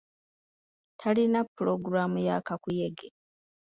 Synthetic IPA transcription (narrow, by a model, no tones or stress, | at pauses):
tʰalinapːuɾoɡuɾamujakakujeɡe